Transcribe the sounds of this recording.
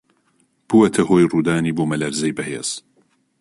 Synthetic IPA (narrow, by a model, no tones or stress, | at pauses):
b̥uwɐt̪ʰɐhoːjruːd̪aːniːboːmɐlɐɾzɐjbɐhḛːz̥